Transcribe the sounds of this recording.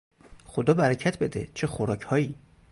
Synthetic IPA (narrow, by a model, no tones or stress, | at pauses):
xod̪ɒːbæɾæcʰæt̪ʰbe̞d̪ḛt͡ʃʰexoɾɒːcʰhɒːiː